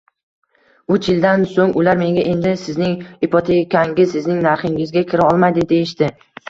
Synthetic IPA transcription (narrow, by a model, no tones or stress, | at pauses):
ʊt͡ʃjɪld̪ansoŋʊlaɾme̞ŋɡʲaʔe̞nd̪ɪsɪznɪŋɪpʰot̪ʰekʲʰaŋɡʲɪsɪznɪŋnaɾχɪŋɪzɡʲakʲʰɪɾɪɒlˠmajd̪ɪd̪e̞jɪʃt̪ɪ